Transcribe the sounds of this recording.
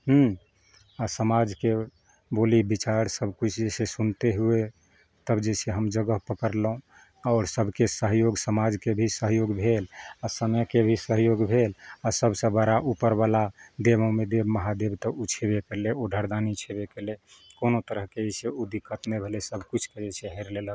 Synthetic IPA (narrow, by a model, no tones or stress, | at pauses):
ɦ̩ | asəmad͡ʒke | bolibit͡ʃaɾsəbʱkut͡ʃʰd͡ʒesesunt̪eɦue | t̪əbd͡ʒeseɦəmd͡ʒəɡəɦpəkəɾlɦũ | aɔʊɾsəbʱkesəɦjoɡsəmad͡ʒkebʱisəɦjoɡbʱelasəmkebʱisəɦjoɡbʱelasəbʱsə̃bəɾaʔupəɾbalad̪ebə̃med̪ebməɦad̪ebt̪əʔut͡ʃʰebekeleoɖʱəɾd̪anit͡ʃʰebekele | konot̪əɾəɦkeeseud̪ikːət̪nebʱelesəbʱkut͡ʃʰked͡ʒesʰeɦɛɾlelək